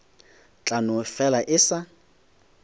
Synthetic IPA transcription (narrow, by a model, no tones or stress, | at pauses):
t͡ɬʼanʊfɛlaʔɪsa